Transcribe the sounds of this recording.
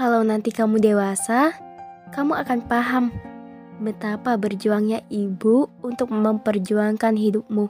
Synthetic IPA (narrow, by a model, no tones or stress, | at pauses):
kalawnant̪ikamudewasakamuakanpaɦam | bət̪apabərd͡ʒuaŋɲaʔibuːnt̪ʊk̚məmpərd͡ʒuaŋkanɦidʊp̚mu